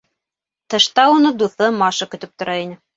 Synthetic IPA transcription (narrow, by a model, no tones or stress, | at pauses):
t̪ɤ̆ʃt̪ɑunɤd̪uθɤmɑʃɤkɵ̆t̪ɵp̚t̪ŏɾɑinɘ